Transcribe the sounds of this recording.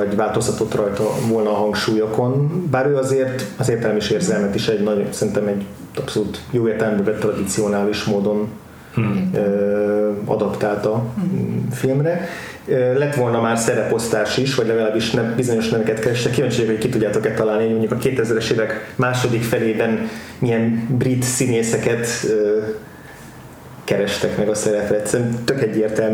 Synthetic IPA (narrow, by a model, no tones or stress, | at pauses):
ɒɟʋaːlt̪o̞st̪ɒt̪o̞t̪rɒjt̪ɒvo̞lnɒːɦɒŋkʃuːjɒko̞nbaːɾøːɒzeːrt̪ɒzeːrt̪ɛlɛmiʃeːrzɛlmɛt̪iʃɛɟnɒɟosɛɾint̪ɛmɛɟ | ɒpso̞luːt̪joːeːrt̪ɛlɛmbøvɛt̪ːrɒd̪it̪sio̞naːliʃmoːd̪o̞n | ø | ɒ̰d̪ɒpt̪aːlt̪ɒ | filmrɛ | øːlɛt̪ʋo̞lnɒmaːrsɛɾɛpo̞st̪aːʃiʃʋɒɟlɛɡɒlaːbiʃnɛmbizo̞ɲo̞ʃnɛvɛkɛt̪kɛɾɛʃt̪ɛkːiːvaːɲt͡ʃejokhockit̪uɟːaːt̪okɛt̪ːɒlaːlniɦo̞ɟmo̞ɲɟukɒkeːt̪ɛzɾɛʃeːvɛkmaːʃo̞d̪ikfɛleːbɛn | iɛnbrit̪sineːsɛkɛt̪øː | kɛɾɛʃt̪ɛkmɛɡɒsɛɾɛprɛɛt̪sɛɾɛmt̪økɛɟːeːrt̪ɛlm